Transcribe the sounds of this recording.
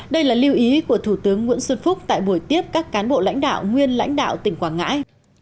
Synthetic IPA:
ɗə˧jlaː˨˩li˧əwʔi˨˦ku˧˩ət̪ʰu˧˩t̪ɨ˨˦əŋːwḭ˧˥nsə˧nfʊ˦˥k͡p̚t̪a̰ː˧˨jɓu˧˩jt̪i˦˥əp̚kaː˦˥kkaː˨˦nɓo̰˧˨la̰˧˥jŋ̟ɗa̰ː˧˨wŋwi˧ənla̰˧˥jŋ̟ɗa̰ː˧˨wt̪ï˨˩ŋ̟kwaː˧˩nŋa̰ː˧˥j

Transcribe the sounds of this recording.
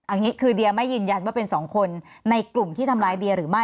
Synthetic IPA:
ʔa˧ŋi˦˥kʰɯː˧di˧ɐma˥˩jːɯː˧nja˧nwaː˥˩pe˧nsɔː˩˦ŋkʰo˧nːa˧jklu˨˩mt̪ʰiː˥˩t̪ʰa˧mlaː˧˥jdi˧ɐɾɯː˩˦ma˥˩

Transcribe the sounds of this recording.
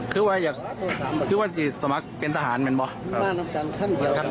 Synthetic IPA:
kʰɯː˧˥˩waː˧˨jaː˨˩k̚ːʰaː˩˦˨kʰɯː˧˥˩waː˧˩t̪ʰiː˧˩sa˧˦ma˦˥k̚pe˧nt̪ʰaː˧ɦaː˩˦nmɛ˨˦nbɔ˧˦aː˥˩na˧˥mka˧nkʰa˥˩ŋdi˧ə˦˧

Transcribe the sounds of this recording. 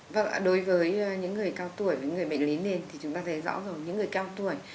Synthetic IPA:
və̰˧˩ŋ˨ɗo˨˦jvəː˨˦jɲɨ̰˧˥ŋːɨ˨˩əjkaː˧wt̪u˧˩əjvəː˨˦ŋɨ˨˩əjɓə̰˧˨ŋ̟li˨˦ne˧nt̪ʰi˨˩t͡ɕʊ˨˦ŋ͡mt̪aː˧˨˦jzɔ̰˧˥zə˨˩wɲɨ̰˧˥ŋːɨ˨˩əjkaː˧wt̪u˧˩əj

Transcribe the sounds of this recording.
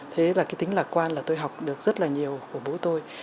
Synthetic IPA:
t̪ʰe˨˦laː˨˩kaː˨˦jt̪ï˨˦ŋ̟laː˨˩kwaː˧nlaː˨˩t̪o˧jɦa˨˩wk͡p̚ɗɨ˨˩ək̚zə˦˥t̚laː˨˩ɲi˨˩əwku˧˩əɓo˨˦t̪o˧j

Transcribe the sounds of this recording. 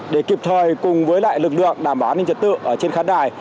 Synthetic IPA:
ɗe˧˩ki˨˩p̚t̪ʰəː˨˩jkʊ˨˩ŋ͡mvəː˨˦jla̰ː˧˨jlɨ˨˩k̬̚lɨ̰˧˨əŋɗaː˧˩mɓaː˨˩˨ni˧t͡ɕə˨˩t̚t̪ɨ̰˧˨ʔəː˧˩t͡ɕe˧nxaː˨˦nɗaː˨˩j

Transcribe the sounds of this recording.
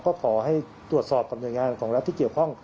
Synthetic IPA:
kɔː˥˩kʰɔː˩˦ɦa˥˩j | t̪ɾu˨˩ət̪̚sɔː˨˩p̚ɾa˧mnu˧˦jŋaː˧nkʰɔː˩˦ŋɾa˦t̪ʰːiː˥˩ki˨˩əwkʰɔ˥˩ŋ

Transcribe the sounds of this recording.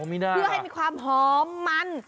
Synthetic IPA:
mi˦˧˩daː˧ɯ˥˩ha˥˩jmiː˧˥kʰwaː˧mɦɔː˨˦mːa˧n

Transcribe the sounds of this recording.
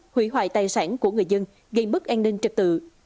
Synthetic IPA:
hwi˧˥ɦwa̰ː˧˨jt̪aː˨˩jsaː˧˥nku˧˩əŋɨ˨˩jzə˧n | ɣə˧jmɨ˦˥k̚ʔaː˧nːï˧ŋ̟t͡ɕɨ˨˩k̚t̪ɨ̰˧˨

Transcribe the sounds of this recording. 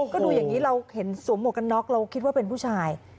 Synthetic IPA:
kɔː˥˩duː˧jaː˨˩ŋːiː˦˥ɾa˧whe˩˦nsu˨˩˦mu˨˩ka˧nːɔ˦˥k̚ɾa˧wkʰi˦t̪̚waː˥˩pe˧npʰuː˥˩t͡ɕʰaː˧j

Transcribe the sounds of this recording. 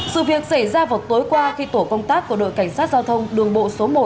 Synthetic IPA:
sɨ̰˧˨vi˨˩ək̚sa˧˩jzaː˧va˨˩t̚t̪o˨˦jkwaː˧xi˧t̪o˧˩kə˧wŋ͡mt̪aː˦˥kːu˧˩əɗo̰˧˨jka˧˩jŋ̟saː˦˥t̚zaː˧wt̪ʰə˧wŋ͡mɗɨ˨˩əŋɓo̰˧˨so˨˦mo˨˩t̚

